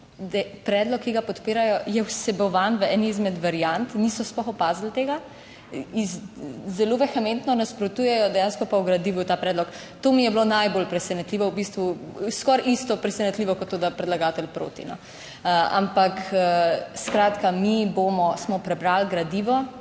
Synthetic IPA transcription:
d̪ɛpɾɛːd̪lɔkːiɡapɔt̪peːɾajɔjɛwsɛbɔʋanʋəɛniːzmɛd̪ʋaɾijant̪nisɔsplɔxɔpaːzl̩t̪eːɡa | izzɛloʋɛxɛment̪nɔnaspɾɔt̪ujɛjɔd̪ɛjaːnskɔpawɡɾad̪iːʋut̪aːpɾɛːd̪lɔk | t̪omijɛblonajbolpɾɛsɛnɛt̪liːʋɔwbist̪ʋuskɔɾʔist̪ɔpɾɛsɛnɛt̪liʋɔkɔt̪ːoːd̪apɾɛd̪laɡaːt̪ɛlpɾo̰ːt̪ḭnɔ̰ | a̰mpak | skɾaːt̪kamiboːmɔsmɔpɾɛbɾaːlɡɾad̪iːʋɔ

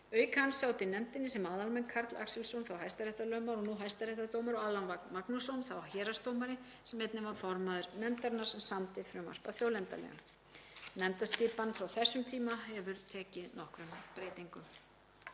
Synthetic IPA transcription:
œːɥkʰansawt̪ɪnɛmt̪ɪnːɪsɛmaːðalmɛnkʰaɾt̪la̰ksɛlsownθawɦajst̪aɾɛjht̪aɾlœːɥmaɾɔnuːɦajst̪aɾɛht̪aɾt̪oːwmaɾɔɣaːðlanvak̪maknusɔwnθawhɛːɾast̪oːwmaɾɪ | sɛmɛt̪nɪvaɾ̥fɔɾmaðʏɾnɛmt̪aɾnaɾ̥sɛmsamt̪ɪfɾʏma̰r̥paθjoːwlɛnt̪a̰lɛ̰ɣa̰n | nɛmt̪ascɪːpanfɾawθɛsːʏmt̪ʰiːmaɦɛvʏɾt̪ʰɛːcɪnɔhkɾʏmpɾeːjt̪iŋkʏm

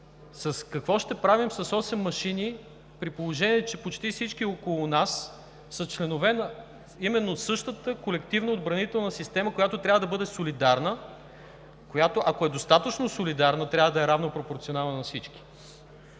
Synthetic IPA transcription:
sɐskɐkvɔʃt̪ɛpɾavimsɐsɔsɛmːɐʃini | pɾipolˠoʒɛniɛt͡ʃɛpot͡ʃt̪ifsit͡ʃkiokolˠʊnasː | ɐt͡ʃlɛnovɛnə | imɛnːosɤʃt̪ət̪əkolɛkt̪ivnəod̪bɾɐnit̪ɛlˠnəsist̪ɛməkojat̪ot̪ɾʲavəd̪ɐbɤd̪ɛsolid̪aɾnə | kojat̪oʔɐkoɛd̪ost̪at̪ət͡ʃnosolid̪aɾnət̪ɾʲavəd̪ɐɛɾavnopɾopoɾt̪sionalˠnnɐfsit͡ʃki̥

